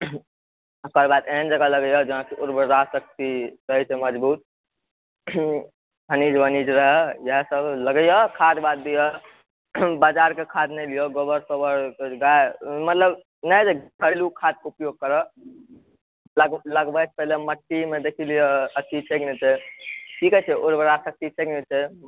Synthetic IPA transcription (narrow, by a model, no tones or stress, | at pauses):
əkəɾbad̪end͡ʒəɡaləɡjɔd͡ʒəɦãkeʔoɾbəɾɾasək̚t̪iɾəɦɛt͡ʃʰeməd͡ʒbuːt̪̚ | bənid͡ʒbʱənid͡ʒɾəɦɛjəɦsəbləɡəjɔkʰad̪bad̪̚ːijɔ | bad͡ʒaɾkekʰad̪nelijɔɡobəɾsobəɾkeɡajmət̪ləb | nəjd͡ʒeɡʱəɾlukʰad̪̚keupjoɡ̚kəɾə | ləɡləɡbət͡ʃʰpɛɦleməʈːimed̪ekʰilijɔətːit͡ʃʰeɡnet͡ʃʰɛʈʰikɛt͡ʃʰɛoɾbəɾasək̚t̪it͡ʃʰɛɡnɛt͡ʃʰɛ